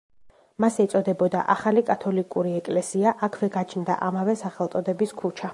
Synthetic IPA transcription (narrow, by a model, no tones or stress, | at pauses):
masɛt̪sʼɔd̪ɛbɔd̪a̰ʔaχalikʼat̪ʰɔlikʼuɾiɛkʼlɛsiaʔakʰvɛɡat͡ʃʰnd̪a̰ʔamavɛsaχɛlˠt̪sʼɔd̪ɛbiskʰut͡ʃʰa